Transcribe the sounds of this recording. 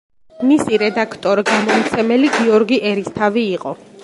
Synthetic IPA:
misiɾɛd̪akʰt̪ʼɔɾiɡamɔmt̪sʰɛmɛliɡiɔɾɡiʔɛɾist̪ʰaviːqʼɔ

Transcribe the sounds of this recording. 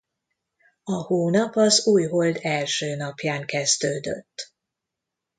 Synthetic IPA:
ɒhoːnɒpɒzuːjɦold̪ɛlʃøːnɒpjaːŋkɛzd̪øːd̪ø̰t̪ː

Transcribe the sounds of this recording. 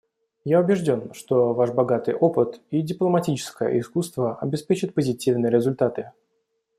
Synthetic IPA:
jaʊbʲɪʐdʲo̞nʂt̪o̞vaʂbɐɡat̪ɨ̰jʔo̞pɨt̪idʲɪplˠəmɐtʲit͡ɕɪ̥skəjə̰ʔɪskust̪vəɐbʲɪspʲet͡ɕɪt̪̚pəzʲɪtʲivnɨjəɾʲɪzʊlʲt̪at̪ɨ

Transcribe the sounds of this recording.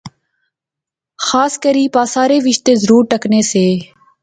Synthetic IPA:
xaːskəɾiːpaːsaːɾeːʋɪʃt̪eːzəɾuːɾʈəkneːseː

